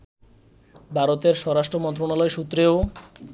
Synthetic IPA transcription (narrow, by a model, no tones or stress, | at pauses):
bʱaɾot̪eɾʃɔɾaʃʈɾomɔnt̪̬ɾonalɔeʃut̪ːɾeo